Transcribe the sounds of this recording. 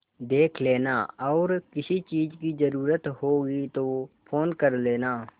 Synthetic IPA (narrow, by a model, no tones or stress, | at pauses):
d̪eːkʰleːnaːɔːɾkɪsit͡ʃiːzkizəɾuːɾət̪hoːɡit̪opʰoːnkəɾleːnaː